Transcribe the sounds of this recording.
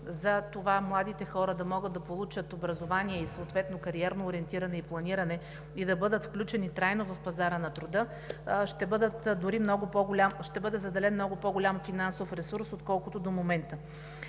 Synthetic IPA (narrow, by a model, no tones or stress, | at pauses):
zɐt̪ovamlˠad̪it̪ɛxɔɾəd̪ɐmɔɡəd̪d̪ɐpolˠut͡ʃət̪obɾɐzovaniɛisooːt̪vɛt̪nokɐɾiɛɾnoːɾʲiɛnt̪iɾɐnɛiplˠɐniɾɐnɛ | id̪ɐbɤd̪ət̪fklʲut͡ʃɛnit̪ɾajnovɐfpɐzaɾənɐt̪ɾʊd̪ɤ | ʃt̪ɛbɤd̪ət̪d̪ʊɾimnɔɡʊpɔɡʊlʲamʃt̪ɛbɤd̪ɛzɐd̪ɛlɛnmnɔɡʊpɔɡʊlʲamfinansofɾɛsuɾsot̪kɔlˠkʊt̪od̪omomɛnt̪ə